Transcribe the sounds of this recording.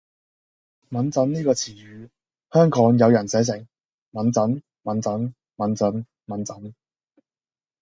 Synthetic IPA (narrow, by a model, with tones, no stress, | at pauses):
mɐ˨˥nt͡sɐ˨˥nniː˥kɔː˧t͡sʰiː˨˩jyː˨˧ | hœː˥ŋkɔː˨˥ŋjɐ˨˧wjɐ˨˩nsɛː˨˥sɪ˨˩ŋ | mɐ˨˥nt͡sɐ˨˥n | mɐ˨˥nt͡sɐ˨˥n | mɐ˨˥nt͡sɐ˨˥n | mɐ˨˥nt͡sɐ˨˥n